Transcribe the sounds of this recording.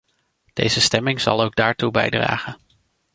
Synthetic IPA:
d̥ḛjzəstɛmɪŋz̥ɑ̰lˠowɡ̚daːɹtubɛ̰jdra̰ːχən

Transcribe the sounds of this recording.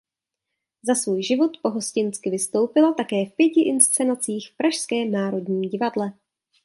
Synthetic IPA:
zasvuːjʒɪvo̞t̪po̞ɦo̞scɪnt͡skɪvɪst̪o̞wpɪlat̪akɛːfpjɛcɪʔɪnst͡sɛnat͡siːxfpɾaʃskɛːnaːɾo̞dɲiːɟɪvadlɛ

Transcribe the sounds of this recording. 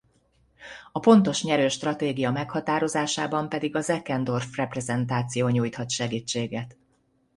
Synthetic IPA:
ɒpo̞nt̪o̞ʃɲɛɾøːʃt̪rɒt̪eːɡijɒmɛkhɒt̪aːɾo̞zaːʃaːbɒmpɛd̪iɡɒzɛkɛnd̪o̞rfrɛprɛzɛnt̪aːt̪sijoːɲuːjt̪hɒt̪ʃɛɡiːt͡ʃːeːɡɛt̪

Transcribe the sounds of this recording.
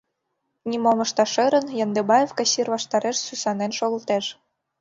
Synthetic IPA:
nʲimomɤ̆ʃt̪ɑʃɤ̆ɾə̆njɑnd̪ebɑjefkɑɕirβɑʃt̪ɑɾeʃsysɑnenʃoɣə̆lt̪eʃ

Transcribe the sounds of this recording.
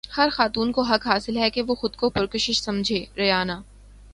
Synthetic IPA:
hɐɾxaːt̪uːnkoɦɐkɦaːsɪlɦɛkeʋoxʊd̪kopʊɾkʊʃɪʃsɐ̃md͡ʒʱeːɾɐjaːnaː

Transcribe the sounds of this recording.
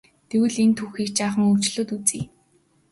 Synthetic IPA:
t̪ʰewɘ̆ɮent̪ʰuxiːkt͡ɕaːχə̆ŋɵw̥t͡ɕɮoːt̪ut͡siː

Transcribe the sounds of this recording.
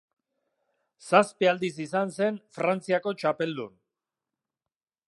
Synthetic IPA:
saspeald̪is̬isanse̞nfɾant͡siako̞t͡ʃape̞ld̪ṵn

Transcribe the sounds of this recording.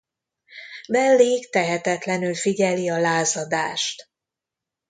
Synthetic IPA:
bɛlːeːkt̪ɛɦɛt̪ɛt̪lɛnylfiɟɛliɒlaːzɒd̪aːʃt̪

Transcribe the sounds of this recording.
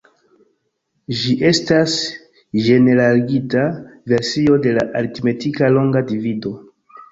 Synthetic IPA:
ʒiʔe̞stas | ʒe̞ne̞ɾaliɡitave̞ɾsio̞de̞laʔalitime̞tikalo̞ŋɡadivido̞

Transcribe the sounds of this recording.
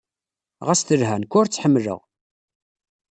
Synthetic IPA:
ʁæsθəlɦænkʷːʊɾt͡sːħəmːlə̰ʁ

